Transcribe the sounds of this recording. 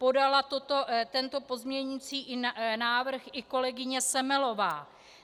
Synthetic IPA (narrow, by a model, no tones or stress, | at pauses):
po̞dalat̪ot̪o̞t̪ɛnt̪o̞po̞zmɲɛɲɪt͡siːʔɪnaːvr̩xʔɪko̞lɛɡɪɲɛsɛmɛlo̞vaː